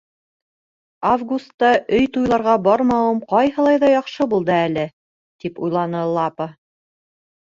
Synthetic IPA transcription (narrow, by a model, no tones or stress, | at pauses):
avɡust̪ːɑʔɵjt̪ujlˠɑɾʁɑbɑɾmɑumqɑjɦɤ̆lˠɑjðɑjɑqʃɤbulˠd̪ɤælɘ | t̪ipujlˠɑnɤlˠɑpə